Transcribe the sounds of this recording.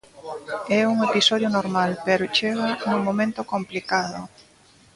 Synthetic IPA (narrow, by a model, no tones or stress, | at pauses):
ɛuŋepisɔðjonoɾmalpɛɾot͡ʃeɣanuŋmomẽnt̪okomplikaðo̰